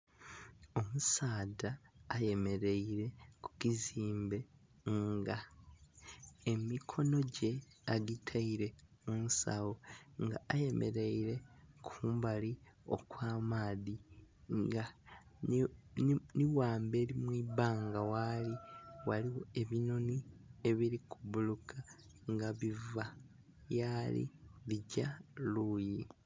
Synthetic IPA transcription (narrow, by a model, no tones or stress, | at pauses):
o̞musaːdaːje̞me̞ɾe̞iɾe̞ku̥kiziːmbe̞ | ŋɡa | emikʰo̞no̞ɟe̞ | aɡitʰaiɾe̞ | umusa̰wo̞ŋɡa̰aje̞mʔe̞̰ɾe̞iɾe̞kʰuːmbalio̞̰kwaːmaːði | ŋɡa | niwaːmbe̞ːlimwiːβaːŋɡawaliwaliwoe̞βino̞nie̞βiɾikʰuβulukʰa | ŋɡaβiva | jalḭβiɟaluːji